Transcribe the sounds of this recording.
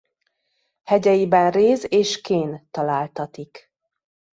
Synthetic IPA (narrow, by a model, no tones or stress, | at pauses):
hɛɟɛjibɛnreːzeːʃkeːnt̪ɒlaːlt̪ɒt̪ik